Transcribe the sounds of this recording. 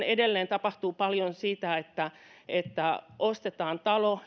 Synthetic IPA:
nedelːeːnt̪ɑpɑht̪uːpɑljonsiːt̪æet̪ːæ | et̪ːæʔost̪et̪ɑːnt̪ɑlo

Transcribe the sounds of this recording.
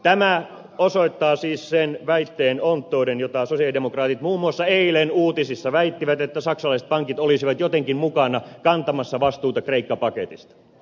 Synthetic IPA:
t̪æmæ | osoit̪ːɑːsiːssenʋæit̪ːeːnont̪ːoːɾenjot̪ɑsosiɑlidemokrɑːt̪it̪muːmːuɑsːɑeilenuːt̪isisːɑʋæit̪ːiʋæt̪et̪ːæsɑksɑlɑise̥t̪̚pɑŋkit̪olisiʋɑt̪jot̪eŋkimmukɑnɑkɑnt̪ɑmɑsːɑʋɑst̪uːt̪ɑkreikːɑpɑkḛt̪ist̪ɑ̥

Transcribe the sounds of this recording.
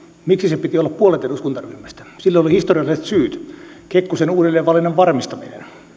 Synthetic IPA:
miksisepit̪iolːɑppuolet̪eduskunt̪ɑryhmːæst̪æ̥silːoolihist̪oriɑlːˑiset̪syːt̪ | kekːosenuːdelːeːʋʋɑlineʋʋɑrmist̪ɑmḭnḛn

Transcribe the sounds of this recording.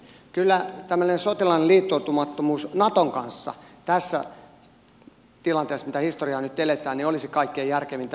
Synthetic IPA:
kylːæt̪æmːønensot̪ilɑnliːt̪ːout̪umɑt̪ːomuːsnɑt̪oŋkɑnsːɑ̰t̪æsːæ̰ | t̪ilɑnt̪eːsmit̪æhist̪oriɑːnyt̪elet̪æːniolisikɑikːeːjærkeʋint̪

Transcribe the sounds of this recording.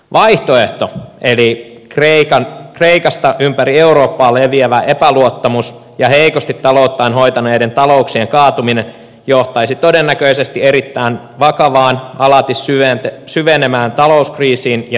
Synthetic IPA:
ʋɑiht̪oeht̪oʔeli | kreikɑnkreikɑst̪ɑʔympærieuɾoːpːɑːlːeʋieʋæʔepæluot̪ːɑmus | jɑheikost̪it̪ːɑlout̪ːɑinɦoit̪ɑneːdent̪ɑlouksieŋkɑːt̪uminen | joht̪ɑisit̪odenːækøisest̪ieɾit̪ːæin | ʋɑkɑʋɑːnɑlɑt̪issyʋent̪esyʋenemæːnt̪ɑlouskriːsiːnjɑ

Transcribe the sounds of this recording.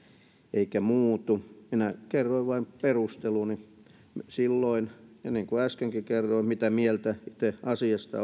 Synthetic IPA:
eikæmuːt̪uminækerːoiʋʋɑimperust̪eluni | msilːoinenːiŋkuæskeŋkikerːoimit̪æmielt̪æit̪eɑsiɑst̪ɑ̰

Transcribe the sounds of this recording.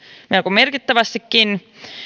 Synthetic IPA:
mielkummerkit̪ːæʋæst̪ikːin

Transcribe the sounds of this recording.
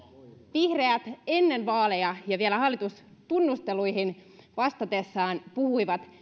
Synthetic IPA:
ʋihreæt̪e̞nːe̞nʋɑːlejɑjɑʋielæhɑlːit̪ust̪unːust̪e̞lujɦinʋɑst̪ɑt̪e̞sːɑːnpuhuiʋɑt̪

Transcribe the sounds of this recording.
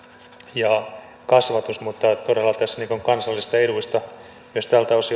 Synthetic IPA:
jɑ | kɑsʋɑt̪usmut̪ːɑt̪odelːɑt̪æsːæniːŋkuŋkɑnsɑlːist̪ɑeɾuist̪ɑ | myøst̪æːlt̪æosi

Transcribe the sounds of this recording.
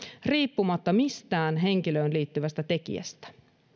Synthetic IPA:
riːpːumɑt̪ːɑmist̪æːnɦe̞ŋk̟iløːnliːt̪ːyʋæst̪æt̪e̞k̟ḭæ̰st̪æ̥

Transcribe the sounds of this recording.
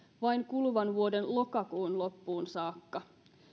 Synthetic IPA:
ʋɑjŋkulʋɑnʋuodenlo̞kɑkuːnlo̞pːuːnsɑːkːɑ

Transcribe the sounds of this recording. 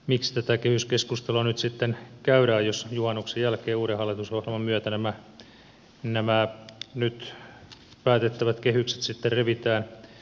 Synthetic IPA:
mikst̪æt̪ækehyskeskust̪elonyt̪sit̪ːenkæyɾæːjjosjuhɑnːuksejjælkeːuːɾehɑlːit̪usohjelmɑmyøt̪ænæmæ | næmænyt̪ | pæːt̪et̪ːæʋæt̪kehykse̥t̪sit̪ːerreʋit̪æːn

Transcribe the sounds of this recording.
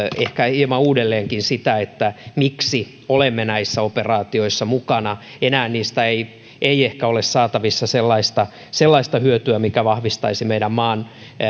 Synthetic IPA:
ehkæilmɑuːdelːeːŋkinsit̪æet̪ːæmiksi | olemːenæisːæoperɑːt̪ioisːɑmukɑnɑ | enæːnniːst̪æei | eiehkæolessɑːt̪ɑʋisːɑselːɑist̪ɑ | selːɑist̪ɑhyøt̪yæmikæʋɑhʋist̪ɑisimeiɾæmmɑːn

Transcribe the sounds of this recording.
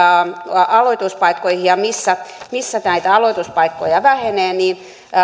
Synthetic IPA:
ɑloit̪uspɑikːoihijɑmisːæmisːæt̪næit̪æɑloit̪uspɑikːo̰jɑʋæheneːniːn

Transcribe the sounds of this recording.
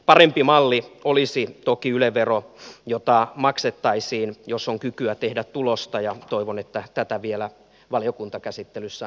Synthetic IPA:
pɑrempimɑlːiolisit̪okiyleʋerojot̪ɑmɑkset̪ːɑisiːnjosoŋkykyæt̪ehdæt̪t̪ulost̪ɑjɑt̪oiʋonet̪ːæt̪æt̪æʋielæ | ʋɑlijokunt̪ɑkæsit̪ːelysːæ

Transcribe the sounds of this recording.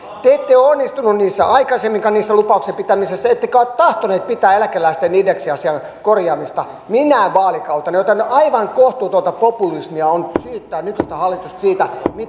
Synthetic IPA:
t̪eet̪ːeoonːist̪ununniːsːæ̰ʔɑikɑsemːiŋkɑnniːsːælupɑuksempit̪æmisesːæet̪ːekæot̪t̪ɑht̪oneːt̪̚pit̪æːelækelːæist̪eniːdeksiɑsiɑn | korjɑːmist̪ɑ | minæːʋʋɑːlikɑut̪ɑnɑjot̪ɑneʔɑiʋɑŋkoht̪uːt̪uot̪ɑpopulismiɑonsyːt̪ːæːnykyst̪æhɑlːit̪ust̪siːt̪æmi

